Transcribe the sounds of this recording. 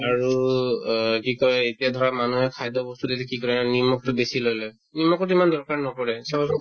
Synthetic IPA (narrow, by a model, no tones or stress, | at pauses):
aɹu | kikɔɹɛetijadʱɔɹamanuɦɛkʰajdɔbɔstudetɛkikɔɹɛnanimɔk̚tʊbesilojlɔ | nimɔk̚ɔtimandɔɹkaɹnɔkɔɹɛsɔɔsɔ